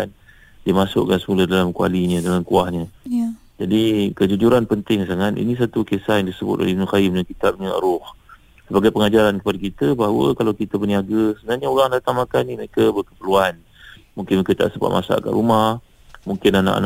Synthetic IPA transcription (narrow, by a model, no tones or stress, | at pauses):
an | diəmasʊ̰ʔkansəmulədalamkua̰liɲədalamkuahɲə̃ | d͡ʒadikəd͡ʒud͡ʒuɾanpənt̪ɪŋs̬aŋanʔḭnis̬at̪ukesahjaŋdisəbʊ̰t̪̚o̰lɛinuxajɪmdankit̪ap̚ɲəə̰ɾʊh | səbaɡajpəŋad͡ʒaɾankəpadakit̪əbaɦawə̰kalawkit̪əpəniaɡəsəbənarɲaoɾaŋdat̪aŋmakanːiməekəbərkəpərluan | muŋkɪnmekət̪a̰ʔsəba̰ʔ̪̚mʔa̰sa̰ka̰nɾumah | muŋkɪnana̰ʔa̰n